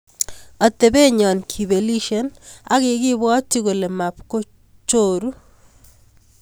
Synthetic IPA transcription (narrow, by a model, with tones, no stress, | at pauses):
a˨t̪e˨be˦ɲɔ˨nkʰi˨be˨li˦ʃe˦na̰˦ɣɪ˨ɡɪ˦bɔ˦ti˦ɣo˨le˨ma˨pko˦ | t͡ʃo˦ɾu˦